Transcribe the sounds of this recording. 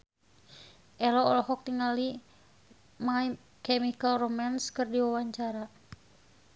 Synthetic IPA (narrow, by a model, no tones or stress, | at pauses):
ʔɛlɔːlɔɦɔk̚t̪iŋali | maj | kɛmikalromanskɨrdiwawaɲt͡ʃaɾa